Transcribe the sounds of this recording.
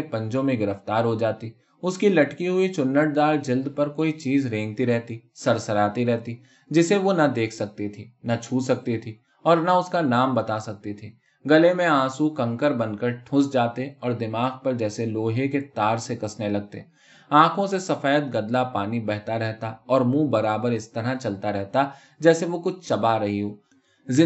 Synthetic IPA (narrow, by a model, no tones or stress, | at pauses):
pɐ̃ɲd͡ʒõmẽɡɪɾəft̪aːɾɦod͡ʒaːt̪i | ʊskilɐʈkiɦʊit͡ʃʊnːəʈ̚d̪aːld͡ʒɪld̪pɐɾkoːit͡ʃiːzɾẽːŋɡt̪iɾɛɦt̪isɐɾsəɾaːt̪iɾɛɦt̪i | d͡ʒɪseʋonɐd̪eːkʰsɐk̚t̪it̪ʰiːnat͡ʃʰuːsɐk̚t̪it̪ʰiː | ɔːɾnaʊskanaːmbɐt̪asɐk̚t̪it̪ʰiː | ɡɐlemẽãːsukɐ̃ŋkəɾbɐnkəɾʈʰʊ̃sd͡ʒaːt̪eɔːɾd̪ɪmaːɡpɐɾd͡ʒɛːseloːɦeket̪aːɾsekɐsnelɐɡ̚t̪ḛ | ãːkʰõsesɐfaːjət̪̚ɡɐd̪lapaːnibɛɦt̪aɾɛɦt̪aɔːɾmũːbɐɾaːbəɾɪst̪ɐɾat͡ʃɐlt̪aɾɛɦt̪a | d͡ʒɛːseʋokʊt͡ʃʰt͡ʃɐbaɾɐɦiɦoː | ɪ